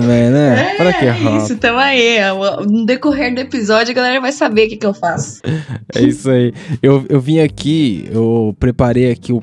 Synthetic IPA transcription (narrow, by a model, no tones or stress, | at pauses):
ɐ̃bẽj̃nɛɔɾɐkeɦɔsʊt̪ɐ̃w̃ai | d̪ekoɦeɾd̪ʊepizɔd͡ʒʊɡalɛɾɐvajsabeʊkekɪewfasʊ̥ɛ̰isaiewewvĩɲakiḛwpɾepaɾejakʰiʊ